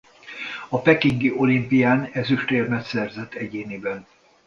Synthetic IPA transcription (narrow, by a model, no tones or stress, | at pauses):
ɒpɛkiŋɡiʔo̞limpijaːnɛzyʃt̪eːrmɛt̪sɛrzɛt̪ʰːɛɟeːnibɛn